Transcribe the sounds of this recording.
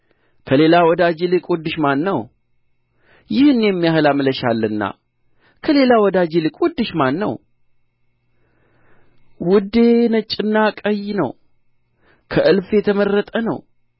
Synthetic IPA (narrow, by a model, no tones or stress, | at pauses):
kʰəle̞lawɔd̪ad͡ʒelɨkʼwud̪ːɨʃmanːəw | jɪhɨnjɛmːijahlamləʃalːɨnːa̰ | kʰəle̞lawɔd̪ad͡ʒelɨkʼwud̪ːɨʃmanːə̰w | wʊd̪e̞nət͡ʃʼːɪnːakʼəjnə̰w | kʰəʔɨlfjɛt̪ʰəməɾːət̪ʼənə̰w